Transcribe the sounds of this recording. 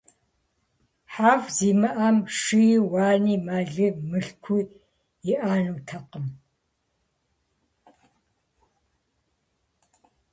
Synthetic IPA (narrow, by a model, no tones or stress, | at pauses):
ħaːvziːmɨʔamʂɨjiwaːniːmaːɮɨmɨɬkʷʰu | ɪʔaːnuːtʰɐqəm